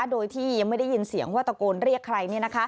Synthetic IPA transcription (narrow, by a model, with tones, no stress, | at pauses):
doː˧jt̪ʰiː˥˩ja˧ŋma˥˩jda˥˩ji˧nsi˨˩˦əŋwaː˥˩t̪a˧koː˧nɾi˥˩əkʰːɾa˧jni˥˩ɐna˦˥kʰa˦˥